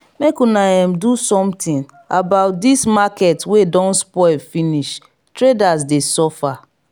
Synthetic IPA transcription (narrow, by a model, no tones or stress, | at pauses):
mekunaãmdusɔ̃mtĩn | abaʊt̚dismakɛtwedɔ̃nspɔɪlfiniʃ | tɹedazdesɔfa